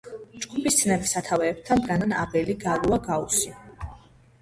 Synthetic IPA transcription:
d͡ʒɡupʰisd̪sʰnɛbisat̪ʰavɛːp̚t̪ʰand̪ɡananabɛliɡaluaɡausi

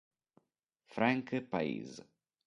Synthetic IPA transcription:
fɾãŋkpaḭːz

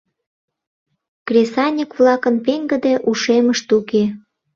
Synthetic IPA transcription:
krʲesɑnʲikβlɑkənpeŋɡə̆d̪eʔuʃeməʃt̪uke

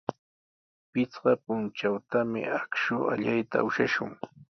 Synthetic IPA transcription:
pɪt͡sɢɑpʊnt͡ʃawt̪amɪ̰akʃʊʔa̰ʎajt̪a̰ʊʃaʃʊ̰ŋ

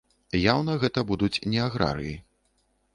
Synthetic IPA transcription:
jawnɐɣɛt̪ɐbud̪ut͡sʲnʲɛaɣɾa̰ɾɨ̰ji

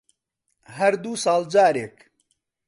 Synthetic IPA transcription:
ɦɐɾd̪uːsɑːld͡ʒaːɾeːk

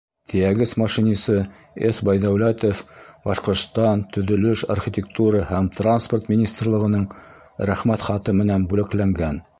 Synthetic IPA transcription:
t̪ʰɘ̆jæɡɘsmɑʃinʲisɤ | esbɑjðæwlæt̪ofbɑʃqŏɾt̪st̪ɑnt̪ɵ̆ðɵ̆lɵʃa̰rχʲit̪ʲekt̪uɾɑhæmt̪ransport̪mʲinʲist̪rlˠɤ̆ʁɤ̆nɤɴ | ɾæχmæt̪χɑt̪ɤmɘ̆nænbʉlɘ̆klæŋɡæn

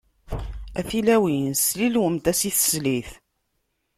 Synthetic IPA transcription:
æ̰θilæwinslilwəmt̪æsiθə̥sliθ

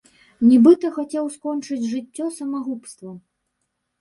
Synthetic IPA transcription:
nʲɛbɨt̪ɐxat͡sʲɛwskɔnt͡ʂɨd͡zʲʐɨt͡sʲːɔsɐmaɣupst̪vɐ

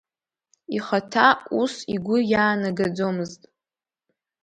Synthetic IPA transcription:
iχatʰausiɡʷʊjaːnaɡad͡zomɨztʼ

